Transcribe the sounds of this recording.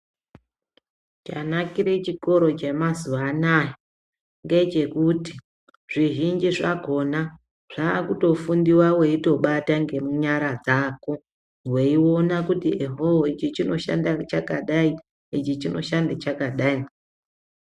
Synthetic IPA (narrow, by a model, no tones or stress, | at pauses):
t͡ʃanakiɾe̞t͡ʃiko̞ɾo̞t͡ʃemazuaːnaːjo | ŋɡe̞t͡ʃe̞kuti̥ | ʐ̥iʒind͡ʒiʐaɡʱo̞na | ʐ̥aːkuto̞fundiwawe̞ito̞ɓataŋɡe̞muɲaɾad͡zaːko̞ | we̞iwo̞nakutieɦoɦoit͡ʃit͡ʃino̞ʃa̰ndat͡ʃakaɗai | it͡ʃit͡ʃino̞̰ʃandet͡ʃakaɗai